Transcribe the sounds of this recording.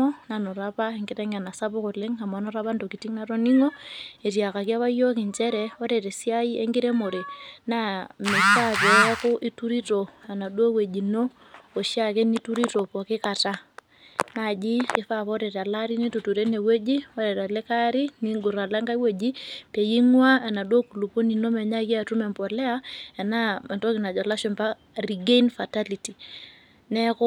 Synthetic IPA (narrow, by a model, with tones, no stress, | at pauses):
ɔ˦na˨nɔ˨ɾa˦pa˦e˨ŋɡɪ˦ɾɛ˦ŋa˨na˨sa˦pʊ˦kʊ˨lɪ˦ŋa˨ma˨˦nɔ˦ɾa˦pa˦ndo˨ki˨ti˦ŋna˦ɾo˦ni˦ŋɔ˦e˨tja˨ka˨kja˦βa˦jo˦kɪ˨ɲt͡ʃɛ˦ɾɛ˦o˦ɾe˨ɾe˨si˦a˦ji˦e˦ŋɡɪ˦ɾe˦mo˨ɾe˨na˦me˨ʃa˦pɛ˨˦kʊ˦ʔi˦tu˦ɾi˦to˨na˨na˨dwo˦we˨d͡ʒi˨no˦ | o˨ʃja˦ke˦ni˦tu˦ɾi˦to˨pɔ˨kɪ˦ka˨ta˦ | na˨d͡ʒi˦kɪ˦fa˦pɔ˦dɛ˨ɾa˨la˦ɾi˦ne˦tu˨tu˨ɾe˦ne˨we˦d͡ʒi˦ɔ˦dɛ˨ta˨lɛ˦ka˦ɾi˦ni˦ŋɡʊ˨ɾa˨la˦ŋɡa˦i˦we˨d͡ʒi˦pe˨ji˦ŋwa˦a˨na˨dwo˦ku˨lu˨po˦ni˨no˦mɛ˨ɲa˦ka˨tu˦mɛ˨mpɔ˨lɛ˦a˦ɛ˨na˦ma˨tɔ˦kɪ˨na˨d͡ʒɔ˨la˦ʃɔ˨npa˦ | ri˨ɡe˦nfa˨ta˦li˨ti˨ | nɛ˦kʊ˦